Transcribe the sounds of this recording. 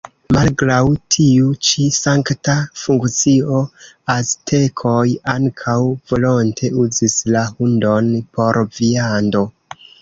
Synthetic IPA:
malɡɾawtʰiut͡ʃisaŋktafuŋkt͡sio̞ | astʰe̞kʰo̞jaŋkʰawvo̞lo̞ntʰe̞uzislahundo̞npo̞ɾviando̞

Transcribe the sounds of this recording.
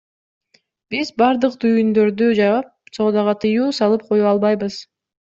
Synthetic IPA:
bizbɑɾd̪ɯqt̪ʰyjynd̪ø̞ɾd̪yd͡ʒɑβɑp̚so̞ːd̪ɑʁɑt̪ʰɯjuːsɑlˠɯp̚qʰo̞juɑlˠbɑjbɯz̥

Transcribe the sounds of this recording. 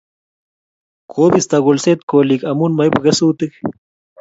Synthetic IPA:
kʰoːbist̪aɣolset̪̚kolikɐmunmajipɣesuːt̪ik

